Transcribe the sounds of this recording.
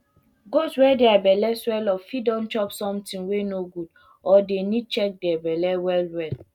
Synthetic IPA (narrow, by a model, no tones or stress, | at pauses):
ɡoswɛdeabɛlɛswɛlɔfidɔ̃nt͡ʃɔpsɔ̃mtĩnwenoɡud | ɔdenid̚t͡ʃɛk̚dabɛlɛwɛlwɛl